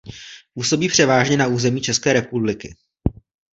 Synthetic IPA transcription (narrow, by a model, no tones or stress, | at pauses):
puso̞biːpr̝̥ɛvaːʒɲɛnauːzɛmiːt͡ʃɛskɛːɾɛpublɪkɪ̰